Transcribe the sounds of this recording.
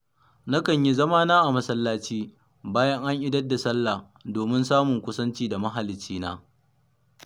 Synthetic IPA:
na˦kɐ˨ɲji˦zɐ˦maː˦naː˦ʔa˨mɐ˦sɐ˦lːaː˦t͡ʃiː˦ | baː˦jɐ˦ŋʔa˦ŋʔɪ˦dɐ˦dːa˨sɐ˦lːaː˨ | doː˨mɪ˦nsaː˦mʊ˨ŋkʷʊ˦sɐ˦nt͡ʃiː˦da˨mɐ˦ɦa˨lɪ˨t͡ʃːiː˦na̰ː˦

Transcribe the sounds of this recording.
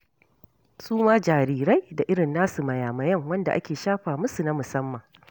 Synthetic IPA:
sʼuː˦maː˦d͡ʒaː˨ɾiː˨ɾa˦jda˨ʔɪ˦ɽɪ˨nːaː˦su˨mɐ˨jaː˨mɐ˨jɐ˦˨ŋwɐ˦nda˨ʔa̰˦kʲeː˨ʃaː˦ɸaː˨mʊ˦su˨na˦mʊ˨sɐ˦mːɐ˨ŋ

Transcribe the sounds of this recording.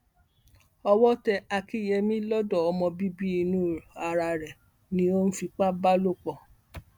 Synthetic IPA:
ɔ˧wɔ˦tɛ˧a˧ki˦˨jɛ˧mĩ˦lɔ˦dɔ˦˨ɔ˧mɔ̃˧bi˦bi˦i˧nũ˦˨a˨ɾa˧ɾɛ˨ | nĩ˦o˦n̩˦fi˧k͡pa˦ba˦lo˦˨k͡pɔ˨

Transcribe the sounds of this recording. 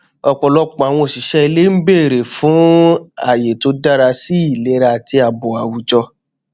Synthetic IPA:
ɔ˨k͡pɔ˨lɔ˦k͡pɔ̃˨a˨w̃ɔ̃˧o˨ʃi˨˦ʃɛ˦˧le˦m̩˦be˦˨ɾe˨fũ˨˦a̰˦˨je˨to˨˧˦da˦ɾa˧si˦i˦˨le˦ɾa˧˨ti˧a˨bɔ˨a˨wu˨d͡ʒɔ˧

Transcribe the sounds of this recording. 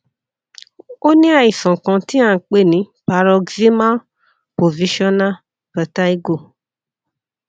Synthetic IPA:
o˦nĩ˦a˧˨i˨sɔ̃˨kã˧ti˦ã˦˨k͡pe˦˨nĩ˨˦pa˧ɾɔ˧ɡzi˦ma˦ | po˨vi˨˧˦ʃɔ˦na˦˨ | pa˨˧ta˦i˦ɡo˦˨

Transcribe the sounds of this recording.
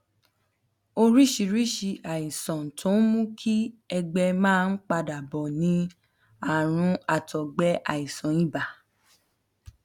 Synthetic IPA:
o˧ɾi˦ʃi˧˨ɾi˦ʃi˧a˨i˨sɔ̃˨tʰõ˨˦mũ˦kʰi˦ɛ˧ɡ͡bɛ˧mãː˦˧n̩˦k͡pa˧da˨bɔ˨nĩ˧˦ | a˨ɾ̃ũ˧a˨tʰɔ˨ɡ͡bɛ˧˦ʔa˨i˨sɔ̃˨ĩ˦˨ba˨

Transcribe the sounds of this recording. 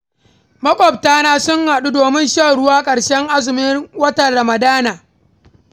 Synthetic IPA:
mɐ˦kʷʼɔ˨b̚taː˦naː˦sʊ˦ŋha˨ɗu˦doː˨mɪ˦nʃaː˦˨ɽʊ˦waː˦kʼɐ˨ɽʃɛ˦ŋʔa˦zɪ˨mɪ˦wɐ˦tɐ˨ɽɐ˨mɐ˨daː˦naː˨

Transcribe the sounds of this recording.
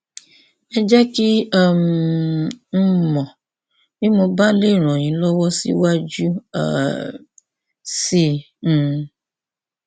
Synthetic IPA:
ɛ˦d͡ʒɛ˦ki˦a˦˨m˨n̩˦mɔ̃˨ | bĩ˦mo˧ba˦le˦˨ɾ̃ɔ̃˨j̃ĩ˨˦lɔ˦wɔ˦sḭ˦wa˦d͡ʒu˦a̰˨ | sĩ˦˨

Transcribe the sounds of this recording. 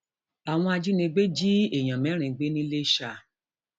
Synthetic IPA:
a˨w̃ɔ̃˧a˧d͡ʒu˦nĩ˧ɡ͡be˦d͡ʒi˦e˨j̃ã˨mɛ̃˨˦ɾ̃ĩ˧˦ɡ͡be˦nĩ˦le˦ʃa˧˨

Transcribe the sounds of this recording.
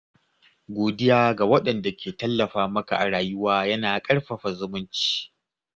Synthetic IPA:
ɡʷoː˨dɪ˦jaː˦ɡa˨wɐ˦ɗɐ˨nda˨kʲeː˨tɐ˦lːɐ˨ɸaː˦mɐ˦ka˨ʔa˨ɽaː˨jʊ˦waː˦jɐ˦naː˨kʼɐ˦ɽɸɐ˨ɸa˨zʊ˦mʊ˦nt͡ʃi̥ː˦

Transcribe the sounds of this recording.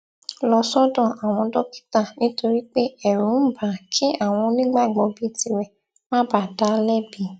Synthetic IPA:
lɔ˧sɔ˦dɔ̃˦˨a˨w̃ɔ̃˧dɔ˦ki̥˦ta˦˨nĩ˦to˧ɾi˦k͡pe˦ɛ˦˨ɾũ˨˦n̩˦ba˨˦kʰĩ˦ʔa˦˨w̃ɔ̃˧nĩ˦ɡ͡ba˦˨ɡ͡bɔ˧bi˦˨ti˧wɛ˨ | mã˦ba˦˨da˨˦lɛ˦bi˨˦

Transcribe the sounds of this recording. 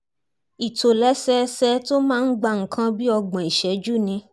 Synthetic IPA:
i˨to˨lɛ˦sɛ˦sɛ˦to˦mãː˦˧n̩˦ɡ͡ba˧˦˨ŋ̩˨kʰã˦bi˦ɔ˧ɡ͡bã˨i˨ʃɛ˨˦d͡ʒu˦˨nĩ˧

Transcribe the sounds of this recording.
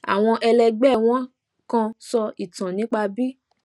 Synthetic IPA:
a̰˨w̃ɔ̃˧ʔɛ˧lɛ˧ɡ͡bɛ˦˨w̃ɔ̃˦ | kã˧sɔ˧i˨tã˨nĩ˨˦k͡pa˧bi˦

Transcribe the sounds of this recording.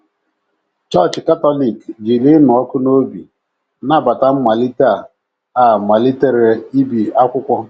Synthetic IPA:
t͡ʃɔ˦˨t͡ʃka˦tɔ˦li˨kd͡ʒi˨li˦n˨ɔ˦kʊ˦no˦bi˨ | na˦ba˨ta˦m̩˦ma˨li˦ta˦˨ | a˦˨ma˨li˦te˦ɾe˨i˦bi˨a˦kʷʊ˦kʷɔ˦

